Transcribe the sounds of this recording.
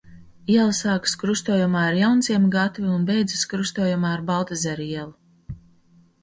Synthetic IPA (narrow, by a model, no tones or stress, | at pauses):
iɛlˠsaːkskɾust̪uːjumaːaɾjawnsʲiɛmɡat̪vʲiunbɛjd̪zɨskɾust̪ɔːjumaːɾbalˠt̪azɛɾiɛlˠu